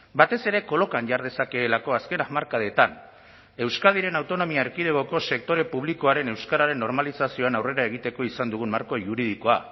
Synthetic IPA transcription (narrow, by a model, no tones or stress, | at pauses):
bat̪e̞se̞ɾe̞ko̞lo̞kanʝaɾðe̞sake̞ːlako̞aske̞namaɾkaðe̞t̪an | e̞wskaðiɾe̞nawt̪o̞no̞miaeɾkiðe̞ɣoko̞se̞k̚t̪o̞ɾe̞puβ̞likoaɾe̞ne̞wskaɾaɾe̞nːo̞ɾmalisasio̞anawre̞ɾae̞ɣ̞it̪e̞ko̞isand̪uɣ̞unmaɾko̞ʝuɾiðiko̞a